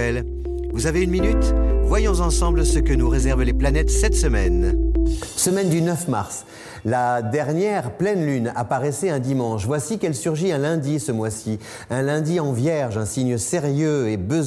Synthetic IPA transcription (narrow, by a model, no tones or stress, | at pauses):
ɛl | vuzaveynminyt̪vwajɔ̃zɑ̃sɑ̃blsəkənuʁezɛʁvleplanɛt̪sɛt̪səmɛn | səmɛnd̪ynœfmaʁs | lad̪ɛʁnjɛʁplɛnlyna̰paʁɛsɛɛ̃d̪imɑ̃ʃvwasikɛlsyʁʒiɛ̃lɛ̃d̪isəmwasi | ɛ̃lɛ̃d̪iɑ̃vjɛʁʒɛ̃siɲəseʁjøebəz